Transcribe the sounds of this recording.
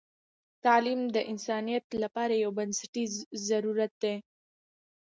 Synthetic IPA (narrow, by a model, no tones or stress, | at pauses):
t̪alimd̪əʔɪnsɑnijat̪lapɑɾajawbansɪʈizaɾuɾat̪̚d̪e